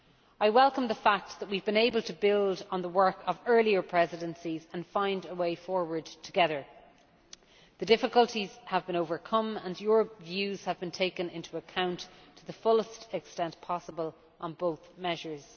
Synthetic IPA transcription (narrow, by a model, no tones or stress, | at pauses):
aɪwɛlˠkə̃mðəfak̚t̪̚ðət̚wivbɨ̃neɪbəlˠtʰəbɪlˠdn̩ðəwɜ˞kʰəvɜ˞liə˞pʰɹ̥ɛzɪɾə̃nsizə̃nfãɪ̃ndəweɪfɔɹwə˞d̚tʰəɡɛðə˞ | ðədɪfɪkəlˠtʰiz̥əvbɨ̃noʊvə˞kʰʌ̃mə̃njʊɹəpvjʉz̥əvbɨ̃ntʰeɪkə̃nɪ̃ntʰuəkʰãʊ̃ntʰəðəfʊləstɛkstɛ̃npʰɑsəbəl | ʔə̃nboʊθmɛʒə˞z̥